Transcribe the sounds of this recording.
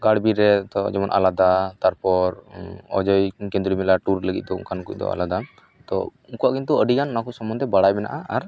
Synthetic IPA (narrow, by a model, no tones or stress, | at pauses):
ɡaɽbiɾɛt̪ɔd͡ʒɛmɔnʔa̰lad̪at̪aɾpɔɾɔ̰d͡ʒɔjkɛ̃nd̪ɾimɛlaʈuɾləɡit̪̚d̪ɔṵŋkʰankuc̚ˀd̪ɔ̰a̰lad̪a | t̪ɔ̰ | uŋkuwaʔkint̪uəɖikanunakusɔmbɔnd̪ɛbaɽajmɛna̰ʔaaɾ